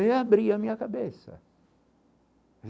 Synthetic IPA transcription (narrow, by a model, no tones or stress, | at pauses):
eabɾiamĩɲɐkabesɐ̰